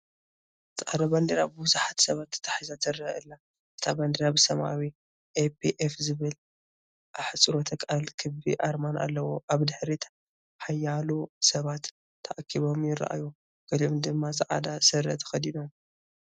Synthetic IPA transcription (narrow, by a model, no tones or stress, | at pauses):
zʕa̰d̪aband̪iɾabɨbuzaħat̪sɐβat̪ʰːɐ̥t̪ʰḁħizat̪ʰɨɾaaɨlːa | ʔɨ̥t̪ʰaband̪iɾabɨsɐmʔa̰wi | ʔepʰiʔefzɨβɨl | ʔaħt͡sʼɨɾot̪ʰɐkʼalkʰɨbḭʔaɾmana̰lːɐwoʔaβd̪ɨħɾit̪ʰḁ | ħajːalusɐβat̪ʰː | ɐʔakʰːiβo̞mjɪɾ̰ʔa̰ju | ɡ̥ɐliomd̪ɨmːazɨʕa̰d̪asɨɾɐ̰t̪ʰɐ̥xɐd̪inom